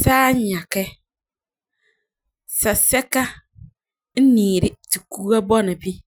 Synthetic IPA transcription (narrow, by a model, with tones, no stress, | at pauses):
saː˦ɲ˦ɲa˨kɛ˦ | sa˨sɛ˦ka˦ | n̩˦niː˨ɾɪ˦ti˨kuː˦a˦bɔ˦nɪ˨bi˦